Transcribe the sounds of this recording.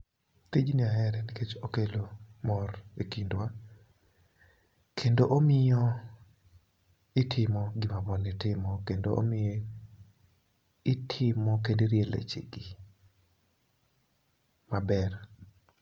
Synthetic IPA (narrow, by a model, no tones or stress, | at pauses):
ked͡ʒniaɦɛɾɛniket͡ʃokelomɔrekindwa | kʰendoʔomɪjɔ | ɪtʰɪmɔɡɪmabɔnɪtɪmɔkendoʔo̰mɪjɛ | ɪtʰɪmɔk̬endiɾjelḛt͡ʃɪ̰ɡɪ | mabɛr